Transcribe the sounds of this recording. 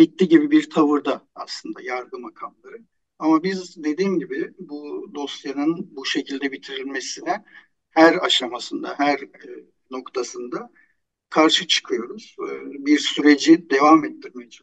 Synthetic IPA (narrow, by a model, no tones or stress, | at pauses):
bit̪ːʲiɟibibiɾt̪ʰavɯɾd̪aa̰slˠɯnd̪a̰jaɾɡ̪ɯmakʰamlˠaɾɯ | amabizd̪e̞d̪iːmɟibɪbud̪o̞sjanɯnbuʃe̞cʰilʲd̪ɛbit̪ʰiɾilʲme̞sinɛ | hæɾaʃamasɯnd̪a̰ɦæɾ | no̞kt̪ʰasɯnd̪a | kʰaɾʃɯt͡ʃʰɯ̥kʰɯjo̞ɾuz̥biɾsyɾe̞d͡ʒid̪e̞vamɛt̪ːiɾmijd͡ʒa